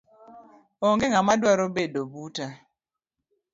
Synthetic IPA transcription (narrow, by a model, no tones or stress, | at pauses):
ɔŋɡeŋamadwaɾobedobuta